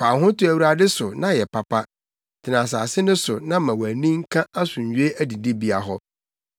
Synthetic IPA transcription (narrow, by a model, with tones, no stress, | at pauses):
pʰaː˨ɦʊ̃˦tʊ˦æ˨wu˨ɾa˨dɪ˦sʊ˨nã˦jɛ˨pʰa˨pʰa˦ | tʰɪ˨nã˨s̬aː˨sɪ˦nʊ̃˦sʊ˨nã˦mã˨wæ˨nĩ˦ŋ̩˦kʰã˦a˦sʊ̃˨ɲ˨ɥᶣe˦æ˦di˨di˦bi˦a˨ɦɔ˦